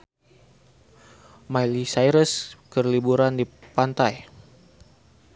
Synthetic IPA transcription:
majlisajɾəskərlibuɾandipant̪aj

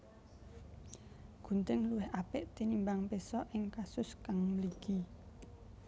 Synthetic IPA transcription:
ɡ̥ṳnt̪ɪŋluwɪhʔapɪʔt̪inimbaŋpesɔʔɪŋkasʊskaŋməliɡ̥i

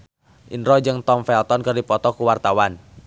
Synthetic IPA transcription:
ʔinɾɔd͡ʒɨŋt̪ɔmfɛlt̪ɔnkɨrdipɔt̪ɔkuwart̪awan

